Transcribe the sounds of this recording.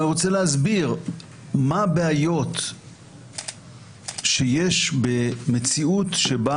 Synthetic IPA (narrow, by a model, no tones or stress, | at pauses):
iʁot͡seleɦazbiʁ | mabeajo̞t̪ | ʃejeʃbemet͡siutʃeba